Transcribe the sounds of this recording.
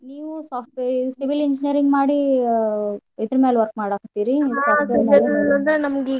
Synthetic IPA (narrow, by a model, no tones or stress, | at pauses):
niːʋusaːpʈʋesiʋiliɲd͡ʒinijɐɾiŋɡmaːɽi | ed̪ɐɾmeːlʋɐɾk̚maːɽaːkt̪iːɾisaːʋeːɾmed̪ɐɐlɐnd̪enɐmɐɡi